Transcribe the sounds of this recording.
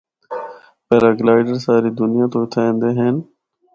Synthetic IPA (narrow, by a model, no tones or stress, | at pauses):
peːɾaɡlaːɪɖəɾsaːɾiːd̪ʊnɪjãːt̪oːɪt̪ʰaːẽːnd̪eːɦeːn